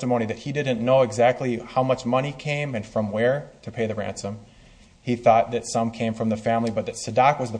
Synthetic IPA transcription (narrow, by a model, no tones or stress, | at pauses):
təmõʊ̃niðɨt̚hidɪdⁿn̩noʊɨɡzæk̚tˡlihaʊmʌt͡ʃmʌñikʰẽɪ̃mɨ̃nfɹʌ̃mwə˞ɾɨpʰeɪðɨɹæ̰̃nsə̃m | iθɔt̪̚ðɨtsʌ̃mkʰẽɪ̃ɱfɹʌ̃mðɨfæ̃mlibʌt̪̚ðɨtsɨdɑkwʌzðə